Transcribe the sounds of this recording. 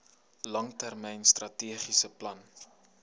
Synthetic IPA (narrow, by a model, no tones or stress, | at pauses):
lɐŋtærmɛjnstrɐtiəχisəplɐn